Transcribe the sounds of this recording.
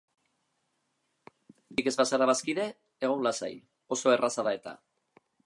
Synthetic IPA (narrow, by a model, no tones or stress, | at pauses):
bike̞zβasaɾaβaskiðe̞ː | ɣ̞onlasa̰j | o̞so̞e̞rasaðae̞t̪a̰